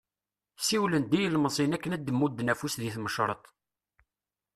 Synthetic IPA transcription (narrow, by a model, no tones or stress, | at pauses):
siwlənd̪ijəlməsˤinækːənæd̪ːəmːud̪ːnæfusðiθməʃɾˤə̰t̪ˤ